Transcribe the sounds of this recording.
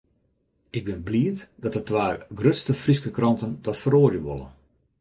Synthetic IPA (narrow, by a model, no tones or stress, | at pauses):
ɪɡ̚bɪnbliətd̥ɔtətʋaːrɡrøtstəfriskəkrɑntənd̥ɔtfəroːrjəʋo̰lˠə̰